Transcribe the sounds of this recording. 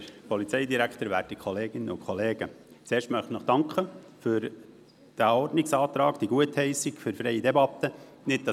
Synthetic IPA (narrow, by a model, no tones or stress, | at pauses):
pɔlit͡sɛɪdiɾækχtəɾʋæːtikʰχɔleːɡ̥ɪnːəʊkʰχɔleːɡ̥ə | t͡seːɾʃtmœχtnɔχd̥ɑŋkχə | fʏɾ | d̥æɔrdnɪksɑːt̪ɾɑːɡd̥iɡuəthɛɪsɪɡ̥fyɾfɾɛɪidɛbɑt̪ːə | nɪt̚d̥ɑ